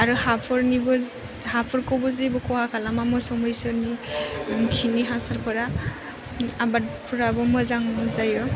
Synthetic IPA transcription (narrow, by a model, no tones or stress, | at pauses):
aɾɯhapʰɔɾnibɔ | hapʰɔɾkɔbɯzibɔkʰɔhakʰalamamɯsɔmɔjsɯni | kʰiniɦasaɾpʰɯɾa | abat̚pʰuɾabɔmɯzaŋzajɔ